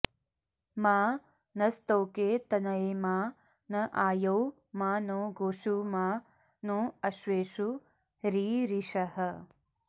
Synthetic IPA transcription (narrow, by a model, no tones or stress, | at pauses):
maː | nɐst̪oːkeːt̪ɐnɐemaː | nɐʔaːjɐw | maːnõːɡoːʃumaː | nõːɐʃʋeːʃu | ɾiːɾiʃɐhɐ